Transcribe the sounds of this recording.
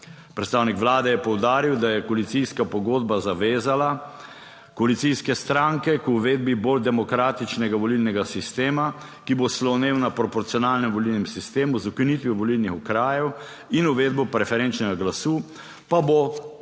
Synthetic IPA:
pɾɛt̪st̪aːwnikʋlaːd̪ɛjɛpɔwd̪aːɾiwd̪ajɛkɔalit̪siskapɔɡoːd̪̚bazaʋeːzala | kɔalit̪sijskɛst̪ɾãŋkɛkːʋeːd̪̚bibold̪ɛmɔkɾaːt̪it͡ʃnɛɡaʋɔlilnɛɡasist̪eːma | kiboslɔwneːwnapɾɔpɔɾt̪sijɔnaːlnɛmʋɔlilnɛmsist̪eːmuzukinit̪ʋjuʋɔlilnixukɾaːjɛw | inuʋeːd̪̚bɔpɾɛfɛɾɛnt͡ʃnɛɡaɡlasuː | pabo

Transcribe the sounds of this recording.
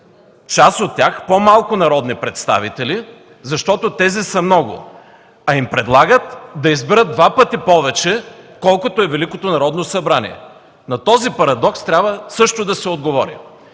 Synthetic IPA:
t͡ʃasot̪ːʲjaxpomalˠkʊnɐɾɔd̪nipɾɛt̪st̪a̰vit̪ɛli | zɐʃt̪ɔt̪ot̪ɛzisɐmnɔɡʊ̰ | ɐimpɾɛd̪lˠaɡət̪d̪ɐizbɛɾəd̪̚d̪vapət̪ipɔvɛt͡ʃɛkɔlˠkot̪oɛvɛlikot̪onɐɾɔd̪nosɐbɾanḭɛ̰ | nɐt̪ɔzipɐɾɐd̪ɔkst̪ɾʲabvəsɤʃt̪od̪ɐsɛod̪ɡovɔɾḭ

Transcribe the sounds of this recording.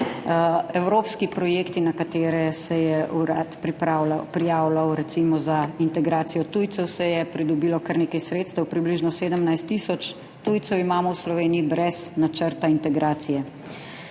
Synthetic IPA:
ɛwɾoːpskipɾɔjeːkt̪inakat̪eːɾɛsɛjɛuɾat̪pɾipapɾijaːwlawɾɛt̪simɔzaint̪ɛɡɾaːt̪sijɔt̪uːjt̪sɛwsɛjɛpɾid̪ɔbiːlɔkaɾneːkajsɾeːt̪st̪əwpɾibliʒnɔseːd̪əmnajst̪ːiːsɔt͡ʃ | t̪uːjt̪sɛwimaːmɔwslɔʋeːniibɾɛznat͡ʃəɾt̪aint̪ɛɡɾaːt̪sijɛ

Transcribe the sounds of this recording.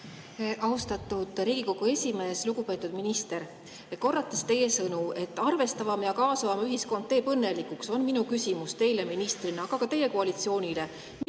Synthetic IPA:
ʔɑust̪ɑt̪ˑːud̪̥riːɡ̥iko̞ɡ̥ue̞sʲime̞ːsluɡ̥upe̞ːt̪ːˑud̪̥minist̪e̞ɾ | ko̞rːɑt̪ːˑɑst̪e̞je̞sɤnue̞t̪ːˑɑrve̞st̪ɑvɑmjɑkɑːsɑvɑmɑyɦisko̞nd̪̚t̪e̞ːpɤnːe̞likukso̞nminukysʲimust̪e̞jle̞minist̪rineɑɡ̥ɑkɑt̪e̞je̞ko̞ɑlit̪sio̞ːnʲile̞

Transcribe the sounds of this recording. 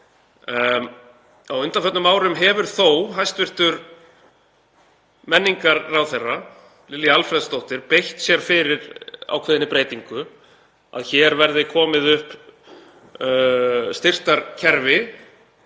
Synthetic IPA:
awʏnt̪anfɛt̪nʏmaːwɾʏmɦɛːvʏɾ̥θowɦajst̪vɪr̥t̪ʏɾ | mɛnːiŋkaɾːawθɛrːa | lɪlːialfɾɛðst̪owht̪ɪɾpejht̪sjɛɾ̥fɪɾɪɾa̰wkʰvɛːðɪnɪpɾeːjt̪iŋkʏ | a̰ðçɛɾvɛɾðɪkʰɔːmɪðʏhp | st̪ɪr̥t̪aɾcʰɛɾvɪ

